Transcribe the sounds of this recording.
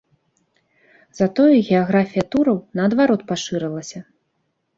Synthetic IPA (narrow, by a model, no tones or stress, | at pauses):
zɐt̪ɔjuɣʲɛaɣɾafʲijɐt̪uɾɐwnɐːd̪vaɾɔt̪paʂɨɾɨlˠɐsʲɐ